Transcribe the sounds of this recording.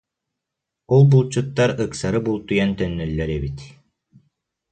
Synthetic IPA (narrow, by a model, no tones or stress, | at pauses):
ulˠbulˠt͡ɕut̪ːaɾɯksaɾɯbulˠt̪ujant̪œnːœlːɛɾɛbit̪